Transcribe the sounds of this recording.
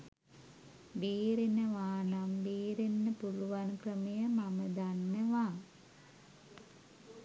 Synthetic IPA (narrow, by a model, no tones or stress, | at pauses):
beːɾenəʋaːnambeːɾenːəpuluʋankrəmejəmaməd̪anːəʋaː